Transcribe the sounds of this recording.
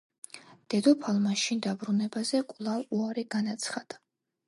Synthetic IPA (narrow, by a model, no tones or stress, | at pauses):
d̪̥ɛd̪ɔpʰalˠmaʃind̪abɾunɛbazɛkʼlˠaluaɾiɡanat̪sʰχad̪̥a